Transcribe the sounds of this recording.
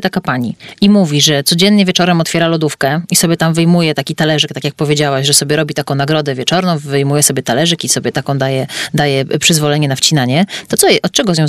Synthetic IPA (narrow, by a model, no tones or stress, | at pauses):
t̪akapaɲḭimuvʲiʐɛt̪sɔd͡ʑɛnːɲɛvʲjet͡ʂɔɾɛmɔt̪fʲɛɾalɔd̪ufkɛisɔbʲjɛt̪amvɘjmujɛt̪akʲit̪alɛʐɛk̚t̪akʲjak̚pɔvʲjed͡ʑawaɕʐɛsɔbʲjɛɾɔbʲit̪akɔ̃w̃naɡɾɔd̪ɛvʲjɛt͡ʂɔɾnɔ̃w̃vɘjmujɛsɔbʲjɛt̪alɛʐɛkʲisɔbʲjɛt̪akɔ̃w̃d̪ajɛd̪ajɛpʂɘzvɔlɛɲɛnaft͡ɕinaɲɛt̪ɔt̪sɔʔɔt̪̚t͡ʂɛɡɔzɲɔ̃w̃